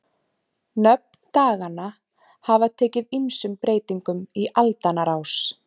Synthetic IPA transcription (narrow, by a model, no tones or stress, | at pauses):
nœp̚nnt̪aːɣana | havat̪ʰɛːcɪðimsʏmpɾeːjt̪iŋkʏmiʔalt̪anaɾaws